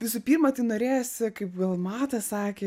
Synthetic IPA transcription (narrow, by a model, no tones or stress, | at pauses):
ʋʲɪsʊpʲiːɾmɐt̪ɐɪnoːɾʲeːjosʲɪkɐɪpɡɐlˠmɑːt̪ɐsɑːkʲeː